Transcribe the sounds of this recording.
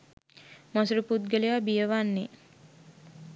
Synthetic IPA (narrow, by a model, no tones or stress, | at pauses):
masuɾupud̪̚ɡəleʋabijəʋanːe